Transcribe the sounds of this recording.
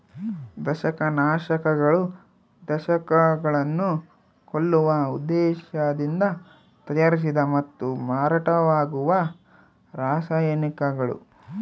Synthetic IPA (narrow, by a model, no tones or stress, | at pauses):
d̪ɐʃɐkɐnaːʃɐkɐɡɐɭu | d̪ɐʃɐkɐɡɐɭɐnːu | koɭːuʋɐud̪ːɛːʃɐd̪ind̪ɐ | t̪ɐjɐɾis̬id̪ɐmɐt̪ːumaːɾaʈɐʋaːɡuʋɐ | ɾaːʃajɐnikɐɡɐɭṵ